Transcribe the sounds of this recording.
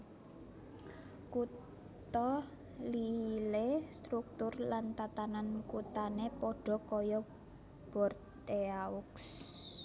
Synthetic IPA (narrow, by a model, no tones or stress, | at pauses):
ku | tt̪ɔ | lilest̪ɾuk̚t̪ʊrlant̪at̪anankut̪anepɔɖ̥ɔ̤kɔjɔ | b̥ɔ̤rt̪ | eaʊks